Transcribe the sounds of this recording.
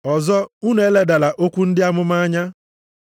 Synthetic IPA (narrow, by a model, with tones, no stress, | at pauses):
ɔ˨zɔ˦u˦ne˨˦le˦da˨la˨ʔo˦kʷu˦n̩˦dɪ˦a˦mʊ˦ma˦a˦ɲa˦